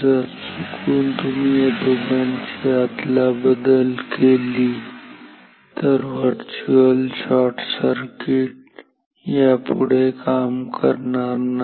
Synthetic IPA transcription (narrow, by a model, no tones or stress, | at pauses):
zɐɾsukʰuːnt̪ʊmed̪obənt͡ʃeat̪labəd̪əlkeliː | t̪əɾʋəɾt͡ʃuəlsaːʈʰsəɾkɪʈ̚ | japʊɽekaːmkəɾnana